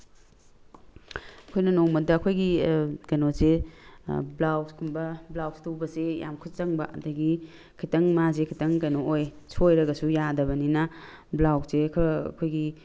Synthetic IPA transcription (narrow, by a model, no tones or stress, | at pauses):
ɐkʰojnɐnoŋmɐdɐːkʰojɡikɐnoze | blawskʰumbɐblawstubɐseja̰mkʰusɐŋbɐ̰ɐdɐɡi | kʰitɐŋmazekʰitɐŋkɐnooj | sojɾɐɡɐsujadɐbɐninɐ | blawk̚sekʰɐɐ̰kʰojɡi